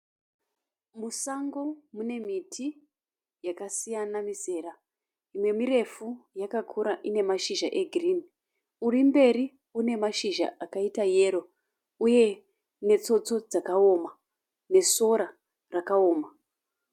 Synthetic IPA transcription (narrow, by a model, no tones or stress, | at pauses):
musaŋɡo̞mune̞mitʰi | jakasijanamise̞ːra | imwe̞miɾe̞fujakakʰuɾaʔine̞maʃiʒaʔe̞ɡʱrin | urimbe̞ɾi | une̞maʃiʒa̰ʔakaitaje̞ːɾo̞ | uje̞ | ne̞t͡so̞t͡so̞d͡zakao̞ma | ne̞so̞ɾa | rakaoːma